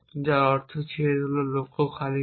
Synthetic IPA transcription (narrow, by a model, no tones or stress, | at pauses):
d͡ʑaɾɔɾt̪ʰot͡ɕʰeeololokʰokʰali